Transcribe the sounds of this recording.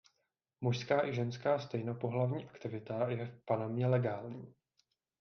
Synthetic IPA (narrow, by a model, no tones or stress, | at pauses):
muʃskaːʔɪʒɛnskaːst̪ɛjno̞po̞ɦlavɲiːʔakt̪ɪvɪt̪ajɛfpanamɲɛlɛɡaːlɲiː